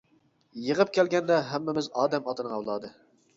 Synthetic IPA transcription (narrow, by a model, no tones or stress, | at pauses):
jəʁəp̚kʲʰɛlɡʲɛnd̪ɛɦæmːɪmɪzɑːd̪ɛmɑt̪ɨnɨɑwlˠɑːd̪ɨ